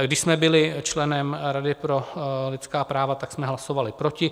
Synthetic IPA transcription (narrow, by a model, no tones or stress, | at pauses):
ɡdɪʃsmɛbɪlɪt͡ʃlɛnɛmɾadɪpɾo̞lɪt̪skaːpɾaːvat̪aksmɛɦlasovalɪpɾo̞cɪ